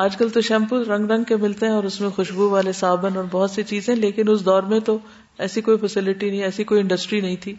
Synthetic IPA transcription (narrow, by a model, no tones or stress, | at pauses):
aːd͡ʒkɐlt̪oʃɛ̃ːmpulɾɐ̃ŋɡɾɐ̃ŋɡ̚kemɪlt̪eɦɛ̃ɔːɾʊsmẽxʊʃbuʋaːlesaːbənɔːɾbɔɦɔt̪set͡ʃiːzɦɛ̃leːkɪnʊsd̪ɔːɾmẽt̪o | ɛːsikoːifɐsɪlɪʈinɐɦĩɛːsikoːiɪ̃ɳɖɐsʈɾinɐɦĩt̪ʰiː